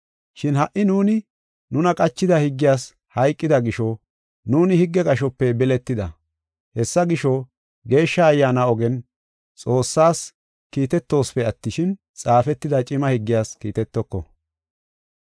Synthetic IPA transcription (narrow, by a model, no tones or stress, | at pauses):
ʃɪnhɐʔːɪnuːnɪ | nʊnɐkʼɐt͡ʃːɪd̪ɐhɪɡːɪjaːs | hɐjkʼːɪd̪ɐɡɪʃɔ | nuːnɪhɪɡːɛkʼɐʃɔpːɛbɛlɛt̪ːɪd̪ɐ | hɛsːɐɡɪʃɔ | ɡe̞ːʃːɐːjːaːnɐɔɡɛn | t͡sʼo̞ːsːaːs | kiːt̪ɛt̪ːo̞ːsfɛɐt̪ːɪʃɪn | t͡sʼaːfɛt̪ːɪd̪ɐt͡ʃʼɪmɐhɪɡːɪjaːskiːt̪ɛt̪ːɔkːɔ̰